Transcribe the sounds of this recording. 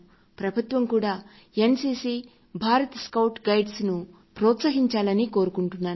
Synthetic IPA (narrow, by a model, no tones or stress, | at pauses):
pɾɐbʱut̪ʋɐmkuːɽaː | e̞nsiːsi | bʱaːɾɐt̪skɐwʈɡɐjɖsnu | pɾɔːt̪sɐɦiɲt͡ʃaːlɐnikoːɾukuɳʈunːaːn